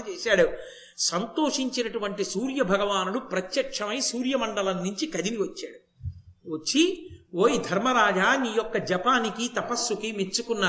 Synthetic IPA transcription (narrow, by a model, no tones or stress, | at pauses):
t͡ʃeːsaːɽu | sɐnt̪o̞ːʂiɲt͡ʃinɐʈuʋɐɳʈisuːɾjɐbʱɐɡɐʋaːnuɽupɾɐt̪jɐkʂɐmɐjsuːɾjɐmɐɳɖɐlɐnːuɲt͡ʃikɐd̪iniʋɐt͡ʃːaːɽu | ʋɐt͡ʃːioːjid̪ʱɐɾmɐɾaːd͡ʒaːniːjɔkːɐd͡ʒɐpaːnikit̪ɐpɐsːukimet͡ʃukunːaː